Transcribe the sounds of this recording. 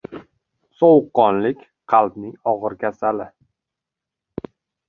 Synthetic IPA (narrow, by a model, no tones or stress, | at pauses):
sɒwqːɒnlɪkʲ | qʰɑlˠbnɪŋɒʁɨɾkʲʰasalɪ